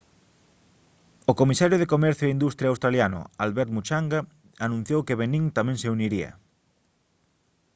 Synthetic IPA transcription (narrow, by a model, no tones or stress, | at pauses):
okomisaɾjʊð̞ekomɛɾθjoeind̪ust̪ɾjawst̪ɾaljanʊ̰alβɛɾt̪mut͡ʃaŋɡa | anũn̟θjowkeβeniŋt̪amɛ̃ŋseuniɾiɐ̰